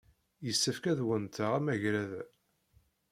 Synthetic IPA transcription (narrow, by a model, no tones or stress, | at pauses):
jəsːəfkæðwənt̪əʁæmæʝɾæðæ